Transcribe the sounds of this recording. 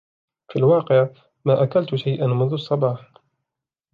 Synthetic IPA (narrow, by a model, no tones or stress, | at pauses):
filwɑːqɪʕ | maːʔakalt̪ʊʃajʔanmʊnðʊɑsˤːɑbɑːħ